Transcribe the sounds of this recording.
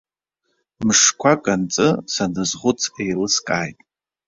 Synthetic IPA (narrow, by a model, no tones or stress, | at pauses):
mɨʂkʷʰakʼant͡sʼɨsanɨzʁʷʊt͡sʰejlɨskʼaːjtʼ